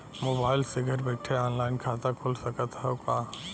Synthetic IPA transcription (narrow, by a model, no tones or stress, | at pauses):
moːbaːɪlseɡʱɐɾbɛːʈʰeɔːnlaːɪnkʰaːt̪akʰʊːlsɐkət̪ɦɛokaː